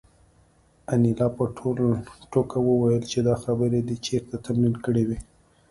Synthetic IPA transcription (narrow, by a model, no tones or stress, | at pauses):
anilɑpəʈʰolʈokawəwajəlt͡ʃed̪ɑxabəɾed̪it͡ʃeɾt̪at̪amnilkəɽewi